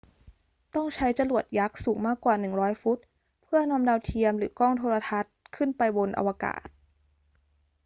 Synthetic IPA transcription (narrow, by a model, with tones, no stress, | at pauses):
t̪ɔ˥˩ŋt͡ɕʰa˦˥jt͡ɕa˧lu˨˩ət̪̚ja˦˥k̚suː˨˩˦ŋmaː˥˩kːwaː˨˩nɯ˨˩ŋɾɔː˦˥jfu˦˥t̪̚ | pʰɯ˥˩ənɔː˧˥mdaː˧wt̪ʰi˧əmɾɯː˩˦kɔː˥˩ŋt̪ʰoː˧ɾa˧t̪ʰa˦˥t̪̚kʰɯ˥˩npa˧jbo˧nʔa̰˧waː˧ka̰ː˨˩t̪̚